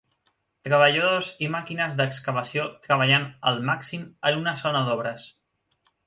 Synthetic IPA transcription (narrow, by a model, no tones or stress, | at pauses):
t̪ɾəβ̞əʎəðozimakinəzðəkskəβəsiot̪ɾəβ̞əʎanəlˠmaksimənunəzonəðɔβɾəs